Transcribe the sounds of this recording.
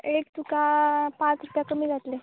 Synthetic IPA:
ekt̪ukapãt͡sɾupjakəmiːd͡zat̪le

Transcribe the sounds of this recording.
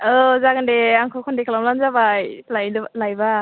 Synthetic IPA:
ɔzaɡandeaŋkʰɔkʰɔndekʰalamlanzabajlajdlajba

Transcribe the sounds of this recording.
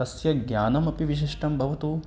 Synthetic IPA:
ɐsjɐɡjaːnɐmɐpiʋiʃ̬iʂʈɐmbʱɐʋɐt̪u

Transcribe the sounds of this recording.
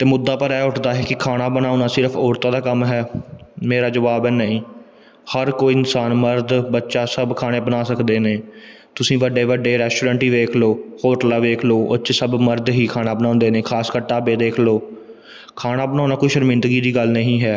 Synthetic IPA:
t̪eːmʊd̪ːaːpəɾɛːʊʈʰd̪aːɦɛːkɪkʰaːnaːbənaːʊ̃naːsɪɾfʰɔːɾt̪ãːd̪aːkəmɦɛːmeːɾaːd͡ʒəʋaːbɛːnəĩː | həɾkoːiːɪnsaːnməɾd̪bətːʃaːsəbkʰaːɽ̃eːbənaːsəkd̪eːneː | t̪ʊsĩːʋəɖeːʋəɖeːɾɛːsʈoːɾə̃ːɳʈiːʋeːkʰloːhoːʈəlaːʋeːkʰloːʊt͡ʃsəbməɾd̪ɦiːkʰaːnaːbənãːnd̪eːneːkʰaːskəɾʈaːbeːd̪eːkʰloː | kʰaːnaːbənãːʊnaːkoːiːʃəɾmɪ̃nd̪ɡiːd̪iːɡəlnəɦĩːɦɛː

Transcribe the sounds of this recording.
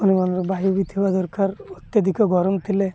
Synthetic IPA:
unimanɾɔbajubit̪ʰibad̪ɔɾkʰaɾot̪jad̪ʱikɔɡɔɾɔmt̪ʰile

